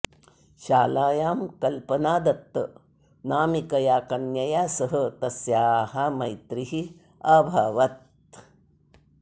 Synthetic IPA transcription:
ʃaːlaːjaːmkɐlpɐnaːd̪ɐt̪ːɐ | naːmikɐjaːkɐnjɐjaːsɐɦɐt̪ɐsjaːɦɐmɐjt̪ɾiɦi | ɐbʱɐʋɐt̪

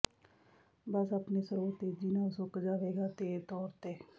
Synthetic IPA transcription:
bəsapneːsəɾoːt̪eːd͡ʒɪnãːʊsokd͡ʒaːʋeːɡaːt̪eːt̪ɔːɾt̪eː

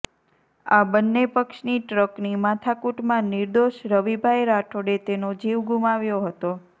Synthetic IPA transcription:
abənːepəkʃniʈɾəknimat̪ʰakuʈmãniɾd̪oʃɾəʋibʱajɾaʈʰoɽet̪enod͡ʒiʋɡʱumaʋjoɦət̪o

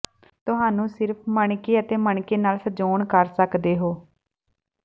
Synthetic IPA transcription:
t̪ʊɦaːnũːsɪɾpʰməɳkeːət̪eːməɳkeːnaːlsəd͡ʒoːɳkəɾsəkd̪eːɦoː

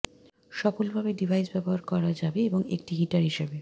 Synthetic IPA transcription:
ʃɔfolbʱabeɖibʱajsbɛboɦaɾkɔɾad͡ʑabeeboŋek̚ʈiɦiʈaɾɦiʃebe

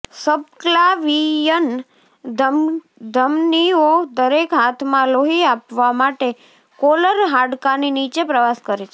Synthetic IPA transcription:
səb̚klaʋijən | d̪ | d̪ʱəmniod̪əɾekɦat̪ʰmãloɦiapʋamaʈe | koləɾɦaɖkaninit͡ʃepɾəʋaskəɾet͡ʃʰe

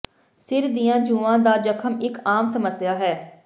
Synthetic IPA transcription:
sɪɾd̪ijãːd͡ʒũːʋãːd̪aːd͡ʒəkʰəmɪkaːmsəməsjaːɦɛː

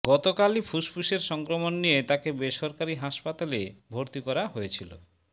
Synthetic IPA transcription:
ɡɔt̪okalifʰuspʰuʃeɾʃɔŋkɾomonːijet̪akebeʃɔɾkaɾiɦaʃpat̪alebʱoɾt̪ikɔɾaɦojet͡ɕʰilo̰

